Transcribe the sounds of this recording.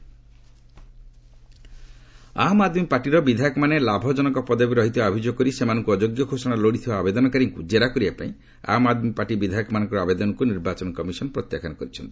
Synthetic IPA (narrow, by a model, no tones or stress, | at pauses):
amad̪mipaʈiɾɔbid̪ʱajɔkɔmanelabʱɔd͡ʒɔnɔkɔpɔd̪abiɾɔɦit̪abʱid͡ʒoɡkɔɾisemanɔŋkuɔd͡ʒoɡjɔɡʱosɔɽ̃aloɽit̪ʰibaːbed̪ɔnɔkaɾiŋkud͡ʒeɾakɔɾibapaĩ | a̰mad̪mipaʈibid̪ʱajɔkɔmanɔ̃ŋkɔɾɔabed̪ɔnɔŋkuniɾbat͡ʃɔnɔkɔmisɔnɔpɾɔt̪jakʰanɔkɔɾit͡ʃʰɔnt̪i̥